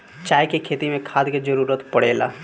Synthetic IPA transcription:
t͡ʃaːjkekʰeːt̪imẽkʰaːd̪ked͡ʒəɾuːɾət̪pəɽeːla̰ː

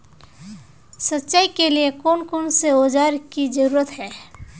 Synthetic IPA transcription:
sətːʃaːikeliekoːnkoːnseoːd͡ʒaːɾkid͡ʒəɾuːɾət̪ɦɛː

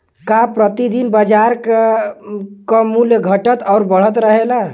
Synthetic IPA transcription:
kapɾət̪id̪inbəd͡ʒaɾk | kəmuleɡʱəʈət̪ɔʊɾbəɽ̤ət̪ɾəɦela

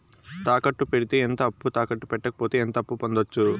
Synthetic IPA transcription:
t̪aːkɐʈːupe̞ɽit̪eent̪ɐɐpːut̪aːkɐʈːupɛʈːɐkɐ̥poːt̪eːent̪ɐpːupond̪ot͡ʃːu

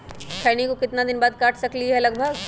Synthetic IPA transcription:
kʰɛːnikokɪt̪nad̪ɪnbaːd̪̚kaːʈʰsɐkliɦɛlɐɡbʱəɡ

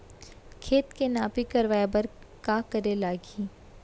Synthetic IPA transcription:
kʰeːt̪kenaːpikɐɾʋaːebɐɾ | kaːkɐɾelaːɡi

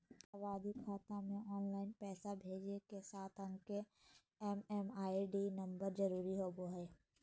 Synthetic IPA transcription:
aʋaːd̪ikʰaːt̪amẽɔːnlaːɪnpɛːsabʱeːd͡ʒekesaːt̪ʰə̃ŋke | ɛːmɛmaːiɖinə̃mbəɾd͡ʒəɾuːɾiɦoːboɦɛː

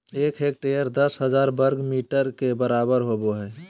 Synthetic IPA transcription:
ekʰɦek̚ʈejəɾd̪əsɦəd͡ʒaɾbəɾɡmiʈəɾkebəɾabəɾɦoboɦɛː

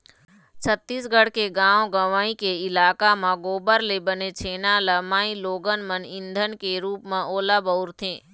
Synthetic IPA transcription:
t͡ʃʰət̪ːiːsɡəɽ̤keɡãːõɡəʋaːĩkeɪlaːkamãɡoːbəɾlebənet͡ʃʰeːnaləmaːĩloːɡənmənɪ̃nd̪ʱənkeɾuːpmẽʔoːlabəʊɾt̪ʰẽː

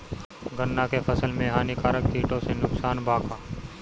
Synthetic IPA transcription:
ɡənːakepʰəsəlmẽɦaːnikaːɾəkkiːʈõsenʊksaːnbʱaːkaː

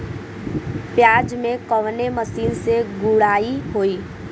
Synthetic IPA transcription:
pjaːd͡ʒmẽkɔʋneməsiːnseɡʊɽaːiɦoːiː

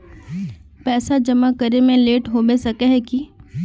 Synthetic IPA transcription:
pɛːsad͡ʒɐmakəɾemẽleːʈɦobesɐkeɦɛki

